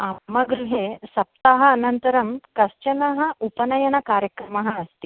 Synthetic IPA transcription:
amɐɡɾuɦesɐp̚t̪aɦɐːnɐnt̪ɐɾɐmkɐst͡ʃɐnɐɦɐ̆ʔupɐnɐjɐnɐkaːɾjɐkɾɐmɐɦɐɐst̪i

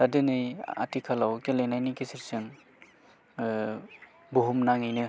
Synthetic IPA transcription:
tadɯnɯja̰tikʰalawkelejnajnikisiɾsɯŋ | buɦumnaŋɯjnɯ

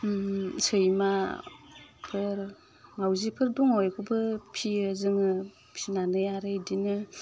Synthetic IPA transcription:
sɯjma | pʰɯɾ | ŋawzipʰɯɾduŋɔjkʰubɯpʰiɯzɯŋɯ | pʰinanɯjaɾɯjdinɯ

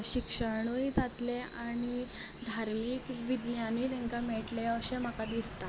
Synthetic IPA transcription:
ɕikʂəɾɳuid͡zat̪leaɽ̃i | d̪ʱaɾmiːkʋid̪njaniləŋkamɛɭʈleəɕeməkad̪ist̪a

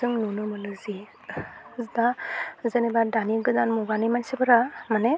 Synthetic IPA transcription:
ɯŋnunɯmɯnɯzi | zd̪azənebadaniɡɯdanmuɡanimansibɯɾamanɛ

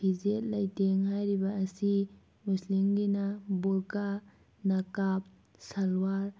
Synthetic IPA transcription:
pʰizet̚lajteŋɦajɾibaːsi | muslimɡinabulka | nakap̚ | salwaɾ

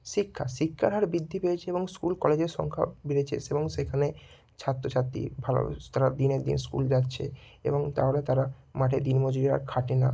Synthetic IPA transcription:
ʃikʰːa̰ʃikʰːa̰ɾɦaɾbid̪ʱːipeet͡ɕʰeeboŋskulkɔled͡ʑeɾʃɔ̰ŋkʰa̰biɾet͡ɕʰḛseboŋʃekʰane | t͡ɕʰat̪ːɾot͡ɕʰat̪ːḭbʱalo̰t̪aɾad̪ineɾd̪ḭnskṵld͡ʑatːɕʰḛ | ḛboŋt̪a̰ɦolet̪aɾamaʈʰed̪inmod͡ʑoɾiɾa̰ɾkʰaʈena̰

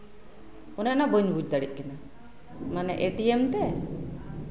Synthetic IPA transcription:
unanabəɲbud͡ʒ̚d̪aɽiʔ̚kɛna | manɛ̰ʔeʈiemt̪ɛ

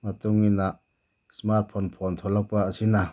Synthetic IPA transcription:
mat̪uŋinaʔ | smart̪̚pʰɔnpʰɔnt̪ʰɔlakpaːsina

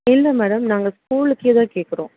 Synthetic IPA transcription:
ɪnːɐmɛːɽɐmnaːŋɡɐskuːlɯkːet̪ãːkeːʈkɐɾõ̰ː

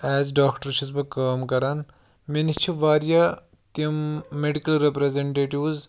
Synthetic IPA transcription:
ɛːzɖaːkʈɐɾʃʰizpɐkaːmkɐɾan | menit͡ʃʰiʋaːɾja | t̪imːeɖikɐlɾepɾezeɳʈeːʈiʋz

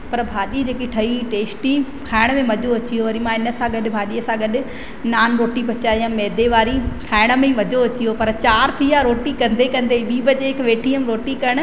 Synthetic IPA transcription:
pɐɾbʱaːɗid͡ʑeːkiʈʰɐiʈeːsʈikʰaːɪɽ̃mẽmɐd͡ʑʱoɐt͡ɕiɦoʋɐɾimãːɪnəsãɡɐɗɪ̆bʱaːɗiɐsãɡɐɗɪ̆ | naːnɾoːʈipɐt͡ɕaːiãmɛːd̪eʋaːɾikʰaːɪɽ̃̆mẽmɐd͡ʑoɐt͡ɕijopɐɾt͡ɕaːɾt̪ʰiaɾoːʈikɐ̃nd̪ekɐ̃nd̪eɓiːbəd͡ʑeɪkʋeːʈʰiəmɾoːʈikɐɽ̃

